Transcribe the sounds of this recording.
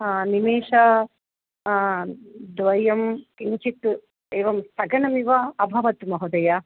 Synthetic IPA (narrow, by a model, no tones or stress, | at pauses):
nimeːʂɐ | d̪ʋɐjɐmkiɲt͡ʃit̪ | eːʋɐmsɐɡɐɳɐmiʋɐɐbʱɐʋɐt̪mɐɦud̪ɐjɐ